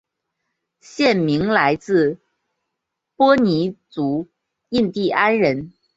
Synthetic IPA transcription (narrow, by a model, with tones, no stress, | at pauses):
ɕjɛ˥˩nmi˧˥ŋla˧˥ɪt͡sɹ̩˥˧ | pwɔ˥ni˧˥t͡su˧˥ | i˥˧nt̪i˥˩ʔa˥nɻə˧˥n